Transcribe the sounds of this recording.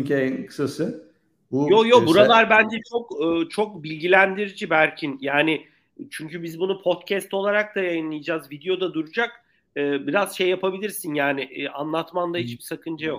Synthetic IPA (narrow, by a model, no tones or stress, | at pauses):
ɲenkʰɯ̥sasɯ | bujojobuɾalˠaɾbænd͡ʒɛt͡ʃʰo̞kːt͡ʃʰo̞k̚bilʲɡɟilʲænd̪iɾid͡ʒibælʲcʰinjaːnɪ | t͡ʃʰyɲcybizbunupʰo̞t̪cʰɛst̪o̞lˠaɾak̚d̪ajajɯnlˠɯjɯd͡ʒaːzvid̪ejo̞d̪ad̪uɾud͡ʒak | ɯːbiɾaz̥ʃe̞jːapabilʲiɾsinjaːnɪʔanlˠat̪mand̪ahit͡ʃbisakʰɯnd͡ʒajo̞k̚